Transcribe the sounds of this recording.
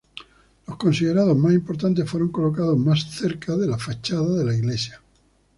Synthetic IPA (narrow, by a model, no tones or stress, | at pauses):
lo̞hko̞nsiðe̞ɾaðo̞zmasimpo̞ɾt̪ant̪̬e̞sfwe̞ɾo̞ŋko̞lo̞kað̞o̞zmasθe̞ɾkaðe̞lafat͡ʃaðaðe̞laiɣle̞sja